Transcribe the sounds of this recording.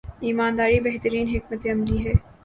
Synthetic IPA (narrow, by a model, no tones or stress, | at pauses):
iːmaːnd̪aːɾibɛɦt̪əɾiːnɦɪkmət̪eɐmliɦɛː